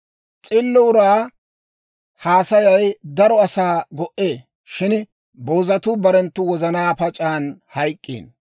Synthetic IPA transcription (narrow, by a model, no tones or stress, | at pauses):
t͡sʼɪlːʊʊɾaː | haːsɐjɐjd̪ɐɾɔɐsaːɡɔʔeː | ʃɪn | boːzɐt̪ʊbɐɾɛnt̪ːʊwɔzɐnaːpɐt͡ʃʼaːnhɐjkʼːḭːn